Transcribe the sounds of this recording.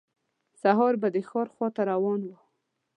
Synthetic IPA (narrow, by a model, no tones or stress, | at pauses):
saɦɑɾbad̪əxɑɾxwɑt̪aɾawɑnwə